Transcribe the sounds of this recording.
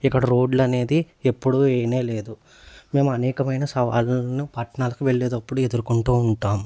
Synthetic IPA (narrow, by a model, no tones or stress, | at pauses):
ikːɐɽɐɾo̞ːɖlɐne̞ːd̪i | epːuɽueːneːle̞ːd̪u | me̞ːmuɐnɛːkɐmɐjnɐsɐʋa̰ːlɐnipɐʈɳaːlɐkuʋe̞ɭːeːd̪ɐpːuɽue̞d̪uɾukuɳʈuːuɳʈaːmu